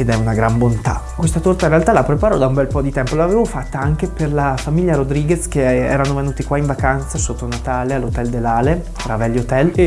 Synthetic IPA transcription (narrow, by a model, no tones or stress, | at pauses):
ed̪ɛunaɡɾambont̪a̰kwest̪at̪ort̪aiɾealt̪alapːɾepaːɾod̪aumbɛlpɔd̪it̪ɛmpolaveːvofat̪ːaaŋk̟eperlafamiʎːaɾod̪ɾiɡesk̟eɛ̰ːɾanovenuːt̪ikwaiɱvakant̪sasot̪ːonat̪aːlealːot̪ɛld̪elːaːle | t̪ɾavɛlːot̪ɛl